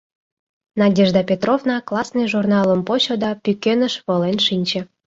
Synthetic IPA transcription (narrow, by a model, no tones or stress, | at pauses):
nɑdʲeʒd̪ɑpʲet̪rovnɑklˠɑsnɨjʒurnɑlˠə̆mpoɕod̪ɑpʲykʲenə̆ʃβɤ̆lenʃinʲt͡ɕĕ